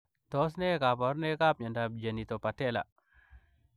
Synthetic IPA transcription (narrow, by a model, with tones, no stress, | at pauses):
to˦s̬ne˦ka˨po˨ɾne˦ka˦p̚ɲa˨nda˨bd͡ʒa˨ni˨t̪o˨pa˨te˦la̰˨